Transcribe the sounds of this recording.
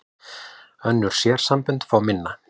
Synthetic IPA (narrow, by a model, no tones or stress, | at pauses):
œnːʏɾ̥sjɛːɾ̥sampʏnt̪faːwmɪnːa